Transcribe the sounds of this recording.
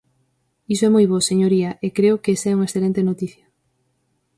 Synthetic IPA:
isoɛmojβoseɲoɾiɐʔekɾeʊkeesɛuŋaesθelent̪enot̪iθjɐ

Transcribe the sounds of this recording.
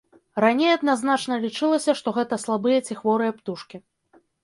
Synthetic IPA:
ɾanʲejɐd̪̚naznat͡ʂnɐlʲit͡ʂɨlˠɐsʲɐʂt̪ɔɣɛt̪ɐslˠabɨjɐt͡sʲixvɔɾɨjɐpt̪uʂkʲi

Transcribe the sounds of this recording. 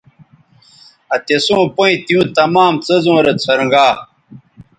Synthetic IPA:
ɐt̪esõːpoĩt̪iũt̪ɐmaːmt͡sɐzõːɾet̪t͡sʰɐɾɐ̃ŋɡaː

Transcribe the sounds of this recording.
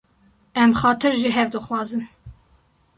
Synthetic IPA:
ɛmxɑːt̪ʰɨɾʒiɦɛvd̪ɨxwɑːzɨn

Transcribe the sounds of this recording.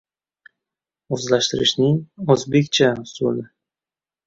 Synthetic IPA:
ozlaʃt̪ɪɾɪ̰ʃnɪŋozbe̞kʲt͡ʃʰaso̰nɪ

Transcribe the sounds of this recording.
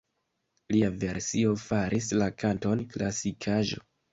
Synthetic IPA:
liave̞ɾsio̞faɾʔislakʰanto̞nklasikʰaʒo̞̰

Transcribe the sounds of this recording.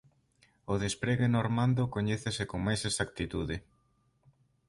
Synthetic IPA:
oðespɾeɣenoɾmãnd̪okoɲeθesekoŋmajsesak̚t̪it̪uðɪ

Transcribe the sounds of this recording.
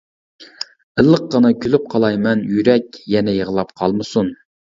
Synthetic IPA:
əlˠːəqːɑnɨkʲʰylyp̚qʰɑlˠɑjmɛnjyɾɛkʲjɛnɛjəʁəlˠɑpqʰɑlˠmɨsun

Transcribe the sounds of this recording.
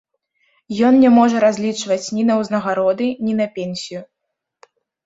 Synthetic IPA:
jɔnnʲɛmɔʐɐɾazʲlʲit͡ʂvɐt͡sʲnʲinɐwznɐɣaɾɔd̪ɨnʲinɐpʲɛnʲsʲiju

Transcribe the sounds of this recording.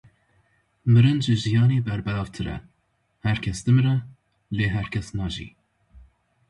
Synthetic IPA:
mɨɾɨnd͡ʒɨʒijɑːneːbɛɾbɛlɑːvt̪ʰɨɾɛ̰ | hæɾkʲʰɛsd̪ɨmrɛ | leːɦæɾkʰʲɛsnɑːʒḭː

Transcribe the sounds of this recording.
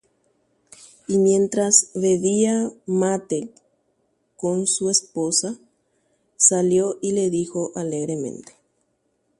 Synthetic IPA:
imjẽ̞nt̪ɾasβeβiamat̪e | konsuesposa | saljoʔile̞ðixo̞ʔaleɣɾemḛ̃nt̪e̥

